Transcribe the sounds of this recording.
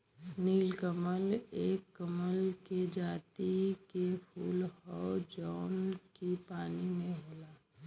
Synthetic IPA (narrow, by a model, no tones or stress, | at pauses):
niːlkəməleːkːəməlked͡ʒaːt̪ikepʰuːlhɔd͡ʒɔːnkipaːnimẽɦoːlaː